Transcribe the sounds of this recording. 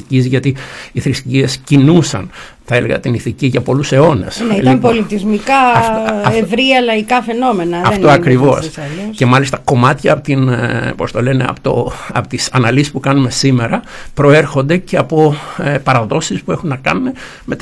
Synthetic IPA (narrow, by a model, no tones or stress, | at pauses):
cizʝɐt̪iiθɾisiescinusɐ̰n | θɐe̞le̞̰ɣɐ̰t̪iniθiciʝɐpo̞luse̞o̞ne̞̰sneilɐmpolit̪izmikɐɐevɾiɐlɐikɐfe̞no̞menɐðɐft̪oɐkɾivo̞sɐloce̞mɐlist̪ɐko̞mɐt̪çɐpot̪inpo̞st̪o̞le̞neɐ̰pot̪o̰ɐpot̪isɐnɐlisispukɐnume̞sime̞ɾɐ | pɾo̞e̞ɾxo̞nd̪e̞ce̞ɐpo̞pɐɾɐðo̞sispue̞xunːɐkɐnume̞ | me̞t̪